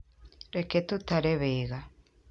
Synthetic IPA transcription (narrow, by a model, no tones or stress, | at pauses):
ɾɛket̪ut̪aɾɛβeɣa